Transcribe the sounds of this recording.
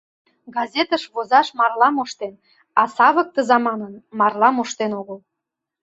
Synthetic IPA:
ɡɑzʲet̪əʃβozɑʃmɑrlɑmoʃt̪en | ɑsɑβək̚t̪əzɑmɑnənmɑrlɑmoʃt̪enoɣəl

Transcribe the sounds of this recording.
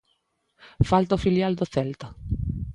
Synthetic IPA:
falt̪ofiljald̪oθɛlt̪a

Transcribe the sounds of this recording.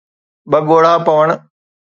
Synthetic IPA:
ɓɐɡoːɽaːpɐʋəɽ̃

